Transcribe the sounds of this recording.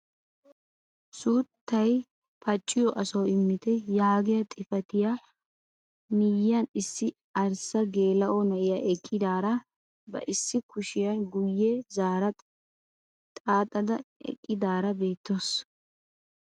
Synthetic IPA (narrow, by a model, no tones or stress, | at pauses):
suːt̪ːɐj | pʰɐt͡ʃʼːɪjɔʔɐsowɪmːɪt̪ɛjaːɡɪjɐt̪ʼɪfɐt̪ɪja | nɪjjɐnɪsːɪ | ɐɾsɐɡe̞ːlɐʔɔnɐʔɪjaʔɛkʼːɪd̪aːɾɐ | bɐ̰ʔɪsːɪkʊʃɪjɐnɡʊjːɛzaːɾɐ | t̪ʼaːt̪ʼɐd̪ɐʔɛ̰kʼːɪd̪aːɾɐbeːt̪ːoːs